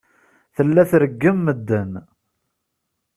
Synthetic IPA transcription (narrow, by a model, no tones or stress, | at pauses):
θəlːæθɾəɡːəmːəd̪ːən